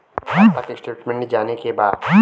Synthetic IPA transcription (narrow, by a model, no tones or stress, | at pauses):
aːakeksʈeːʈmẽɳʈnid͡ʒaːnekebaːd̪